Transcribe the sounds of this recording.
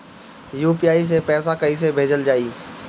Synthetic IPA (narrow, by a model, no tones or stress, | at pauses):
juːpiaːis̬epɛːsakɐis̬ebʱeːd͡ʒəld͡ʒaːiː